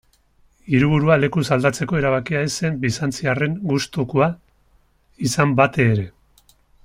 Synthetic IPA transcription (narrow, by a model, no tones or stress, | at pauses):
iɾuβ̞uɾuale̞kusald̪at͡se̞ko̞e̞ɾaβ̞akiaese̞mbisant͡siare̞ŋɡust̪ukua | isambat̪e̞ːɾe̞